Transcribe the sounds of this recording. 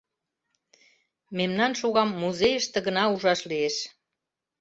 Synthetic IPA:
memnɑnʃuɣɑmːuzejəʃt̪ĕɣə̆nɑuʒɑʃlieʃ

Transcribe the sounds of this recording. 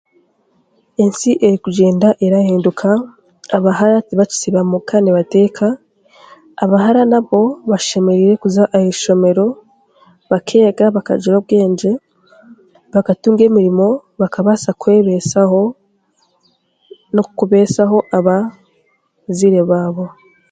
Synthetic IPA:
ensiʔe̞ɾikuɟe̞ːndaʔeɾaheːndukʰaː | βahaɾatiβaci̥siβamukʰaneβate̞ːkʰaː | βaɦaɾanaβo̞βaʃe̞me̞ɾiɾe̞kuzaʔahiʃo̞me̞ɾo̞ | βakʰe̞ːɡaβaka̰d͡ʒuɾobɡe̞ːɲd͡ʒe̞ | βakatuːŋɡe̞ːmiɾimo̞βakaβasakwe̞ːβesaho | nokuβe̞ːsaɦo̞ʔaβa | ziɾe̞βaːβo̞

